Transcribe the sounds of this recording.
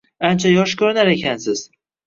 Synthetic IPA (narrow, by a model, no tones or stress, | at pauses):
ant͡ʃʰajɒʃkʰɵɾɪnaɾe̞kʲʰansɪz̥